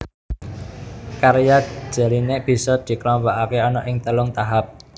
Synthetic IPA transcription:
kaɾjḁʒ̥a̤lineb̥i̤sɔd̪̥i̤klɔmpɔʔakeɔnɔʔɪŋt̪əlʊŋt̪aɦap̚

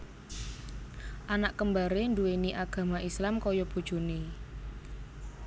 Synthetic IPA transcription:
ʔanaʔkəmbaɾeɳdueniʔaɡ̥ä̤maislamkɔjɔb̥ṳd̥ʒ̥o̤ni

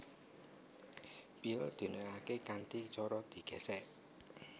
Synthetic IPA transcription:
pild̪̥ṳnəɾakekant̪it͡ʃɔɾɔd̪̥i̤ɡ̥ɛ̤sɛʔ

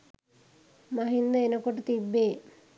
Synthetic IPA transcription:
maɦind̪ɐenəkoʈut̪ibːeː

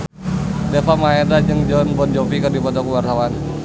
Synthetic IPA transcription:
defamaedad͡ʒɨŋd͡ʒɔnbɔnd͡ʒɔfikɨrdipɔt̪ɔkuwart̪awan

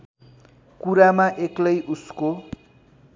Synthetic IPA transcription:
kuɾamaʔeklʌjʔusko

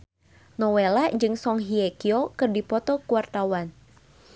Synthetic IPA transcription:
nɔwelad͡ʒɨŋsɔŋɦiɛkiokɨrdipɔt̪ɔkuwart̪awan

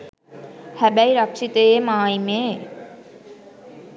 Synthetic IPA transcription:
hɛbæjɾʌkʃit̪eemaːjme

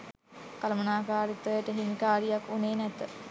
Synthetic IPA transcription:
kalɐmɐnaːkaːɾit̪əjəʈəɦimikaːɾijakːuneːnɛt̪ə

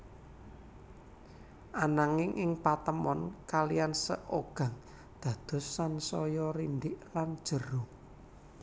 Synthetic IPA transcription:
ʔanaŋɪŋʔɪŋpat̪əmɔnkalijansə̰ʔoɡ̥ä̤ŋ | d̪̥ä̤d̪̥ɔ̤sːansɔjɔɾind̪ɪʔland̥ʒ̥ə̤ɾo

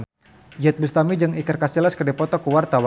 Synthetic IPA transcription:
n | d͡ʒɛt̪̚bust̪amid͡ʒɨŋikərkasilaskərdipɔt̪ɔkuwart̪awa

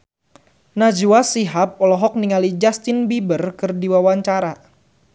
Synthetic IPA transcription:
nad͡ʒuasiɦap̚ɔlɔɦɔk̚niŋalid͡ʒast̪ɪnbibərkɨrdiwawaɲt͡ʃaɾa

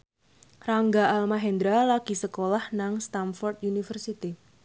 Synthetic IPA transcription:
raŋɡaalmaɦɛnd̪ɾalaɡ̥i̤səkolahnaŋst̪amfɔrt̪unifərsit̪i

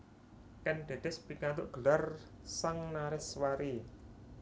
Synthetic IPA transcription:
kɛnɖ̥e̤d̥̪ɛspikant̪ʊʔɡ̥ə̤larsaŋnaɾɪswaɾi

